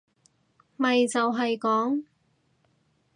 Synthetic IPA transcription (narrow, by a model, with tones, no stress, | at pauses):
mɐ˨jt͡sɐ˨wɦɐ˨jkɔː˨˥ŋ